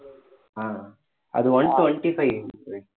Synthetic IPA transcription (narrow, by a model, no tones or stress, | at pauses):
aː | ɐ̰d̪uʋɐɳʈuɐɳʈipʰɐji